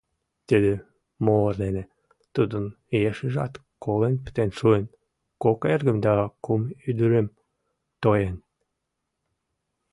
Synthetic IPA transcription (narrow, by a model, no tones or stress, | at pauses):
t̪əd̪e | moərd̪ene | t̪ud̪ən | jeʃiʒɑt̪ | kolenpə̥t̪enʃuen | kokerɣə̆md̪ɑkumyd̪əɾəm | t̪ojen